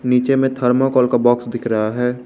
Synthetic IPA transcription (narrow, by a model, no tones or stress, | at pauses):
niːt͡ʃemẽt̪ʰəɾmakɔːlkabɔːksd̪ɪkʰɾəɦaɦɛː